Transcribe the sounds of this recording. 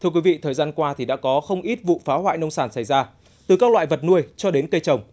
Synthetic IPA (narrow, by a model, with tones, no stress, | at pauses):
t̪ʰɨ˧əkwi˨˦vḭ˧˨t̪ʰəː˨˩jzaː˧nkwaː˧t̪ʰi˨˩ɗa̰ː˧˥kɔ˨˦xə˧wŋ͡mʔi˦˥t̚vṵ˧˨faː˨˦hwa̰ː˧˨jnə˧wŋ͡msaː˧˩nsa˧˩jzaː˧ | t̪ɨ˨˩kaː˦˥k̚lwa̰ː˧˨jvə˨˩t̚nu˧əjt͡ɕɔ˧ɗe˨˦nkə˧jt͡ɕə˨˩wŋ͡m